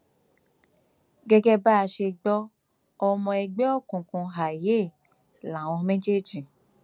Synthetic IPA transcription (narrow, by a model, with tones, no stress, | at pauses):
ɡɛ˧ɡɛ˦ba˦a˧ʃe˧ɡ͡bɔ˦ | ɔ˧mɔ̃˧ɛ˧ɡ͡bɛ˦ɔ˦kũ˨kũ˧ɦa˨je˦˨ | la˨w̃ɔ̃˧mɛ̃˦d͡ʒe˦˨d͡ʒi˨